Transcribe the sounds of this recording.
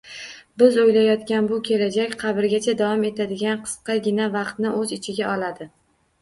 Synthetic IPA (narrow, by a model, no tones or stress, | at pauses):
bɪzojlajɒt̪kʲanbʊkʲʰe̞lad͡ʒakʲqʰɑbɪɾɡʲat͡ʃʰad̪avɒme̞t̪ʰad̪ɪɡʲanqʰɨ̥sqɑɡʲɪnavɑqt̪nɪʔɵzɪt͡ʃʰɪɡʲaɒlad̪ɪ